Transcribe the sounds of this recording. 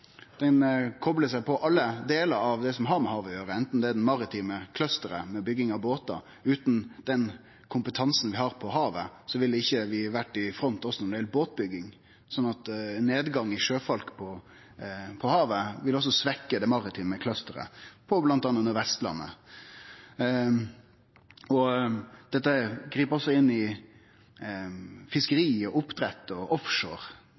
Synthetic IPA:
d̪̥ɛnkʰɔbləsæɪpʰɔʔɑlːəd̪eːləɾɑʋd̪ɛsɔmɦɑɾmɛɦɑːʋɔjøːɾəɛnt̪n̩d̪ɛæd̪ɛnmɑɾɪt̪ʰiːməkʰlœst̪əɾəmɛbʏɡːɪŋɑʋboːt̪ɑ̰ | ʉːt̪nd̪̥ɛn | kʰʊmpət̪ʰɑnsn̩ʋɪhɑɾpʰɔhɑːʋə̰sɔʋɪld̪ɛɪçːəʋɪʋæʈːɪfɾɔnt̪ɔsːɔnʊd̪ɪɛlboːt̪̚bʏɡːɪŋ | sɔnːɑt̪nːeːd̪ɡɑŋːɪʂøːfɑlkpʰɔ | pʰɔhɑːʋəʋɪlɔs̬ːɔsʋɛkːəd̪ɛmɑʁɪt̪ʰɪːməkʰlœst̪əɾə̰pʰɔblɑnt̪ɑnɑnəɾʋɛst̪lɑ̰nːə̰ | ɔd̪̥ɛt̪ːəɡɾiːpɔsːɔɪnːɪ | fɪskəɾiːɔʊpd̪ɾɛt̪ːɔʔɔfʂoːʁ

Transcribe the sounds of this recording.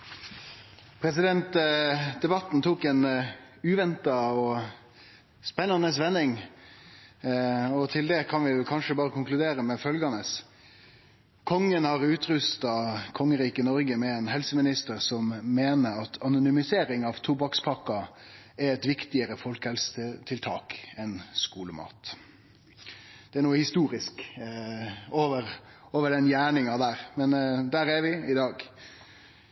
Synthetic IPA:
pʰɾɛsɪd̪ɛnt̪d̪ɛbɑt̪ːn̩t̪ʰuːkɛn | ʉːʋɛnt̪ɑɔ | spɛnːɑnəs̬ʋɛnːɪŋ | ɔt̪ʰɪld̪ɛkʰɑnʋɪkʰɑnʂəbɑːɾəkʰʊŋklʉd̪eːɾəmɛfœlɡɑnəs | kʰɔŋːənhɑɾʉːt̪ɾʉst̪ɑkʰɔŋːəɾiːkənɔɾɡəmɛɛːnɦɛlsəmɪnɪst̪əɾsɔmːeːnəɾɑt̪ʰɑnʊnʏmɪseːɾɪŋɑʋt̪ʰubɑkspʰɑkːɑ | ɛɛt̪ʋɪkt̪ɪəɾəfɔlkhɛlsəət̪ʰɪlt̪ʰɑːkɛnskuːləmɑ̰ːt̪ | d̪̥ɛæɾnuːəhɪst̪uːɾɪsk | oːʋəɾ | oːʋəɖɛnjæːɳɪŋɑd̪æːɾmɛnd̪æːɾæɾʋɪɪd̪ɑːɡ

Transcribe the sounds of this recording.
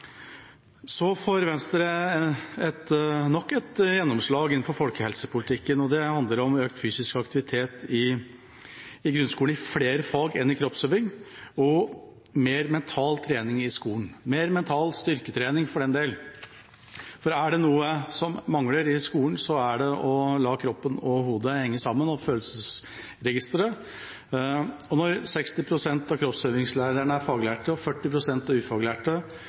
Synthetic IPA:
sɔfoɾʋɛnst̪əɾə | ɛt̪nɔkːɛt̪jɛnːɔmʂɭɑːɡɪn̩fɔɾfɔlkəhɛlsəpʰʊlɪt̪ʰɪkːənɔd̪ɛhɑnd̪ləɾɔmøːk̚t̪fyːsɪskɑkt̪ɪʋɪt̪ʰeːt̪ɪ | ɡɾʉnskuːənɪfleːɾəfɑːɡɛnːɪkʰɾɔpsøːʋɪŋɔ | meːɾmɛnt̪ʰɑːlt̪ʰɾeːnɪŋɪskuːn̩meːɾmɛnt̪ʰɑːlst̪ʏɾkət̪ʰɾeːnɪŋfɔɖɛnd̪eːl | fɔɾæɖɛnuːəsɔmmɑŋləɾɪskuːənsɔæɖɛʔɔlɑːkʰɾɔpːənɔɦuːd̪əhɛŋːəsɑmːənɔføːləsəs | ɾɛɡɪst̪əɾə | ɔnɔɾsɛkst̪ɪpʰɾʊsɛnt̪ɑkʰɾɔpsøːʋɪŋslæːɾəɳəæɾfɑːɡlæːʈəɔfœʈːɪpʰɾʊsɛnt̪ɑʉːfɑɡlæːʈə

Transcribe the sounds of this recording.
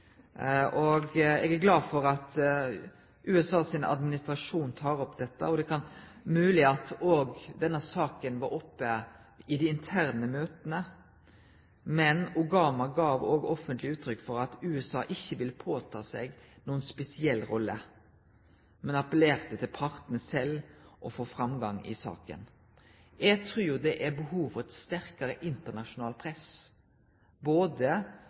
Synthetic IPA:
ʔɔɡɛːɡæɾɡlɑːd̪fɔɾɑt̪ | ʔʉːɛsɑːsɪnɑ̰d̪mɪnɪst̪ɾɑʂuːnt̪ʰɑːɾɔpd̪ɛt̪ːə̰ɔd̪ɛkʰɑnmʉːlɪɑt̪oːɡd̪ɛnːəsɑːkənʋɑɾɔpːə | ɪd̪ɛɪnt̪ʰæɾnəmøːt̪ənə | mɛnʊɡɑːmɑɡɑːʋoːɡɔfənt̪lɪʉːt̪ʰɾʏkːfɔɾɑt̪ʉːɛsɑːʔɪçːəʋɪləpʰoːt̪ʰɑːseːɡ | nuːənspɛsɪɛlːɾɔlːə | mɛnɑpəleːɾt̪ət̪ʰɪlpʰɑʁt̪n̩əsɛlːʔɔfoːfɾɑmɡɑŋɪ̰sɑ̰ːkə̰n | ɛɡt̪ʰɾʉːd̪ɛʔæbəhuːʋfɔʁɛt̪st̪æɾkɑɾəʔɪnt̪əʁnɑʃʊnɑːlpʰɾɛs | boːd̪ə

